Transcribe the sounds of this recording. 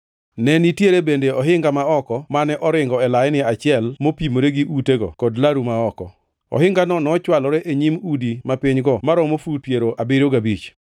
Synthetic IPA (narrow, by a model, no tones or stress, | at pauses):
nɛnitjeɾebendeɔɦɪŋɡamaɔkɔmanɛʔɔɾɪŋɡɔɛlajnɪat͡ʃɪɛlmopimoɾeɡiʔuteɡɔ̰kɔdlaɾumaɔkɔ̰ | ɔ̰ɦɪŋɡanɔnɔt͡ʃwalɔɾɛʔeɲimudimapɪɲɡɔmaɾɔmofupjeɾoʔabɪɾoɡabit͡ʃ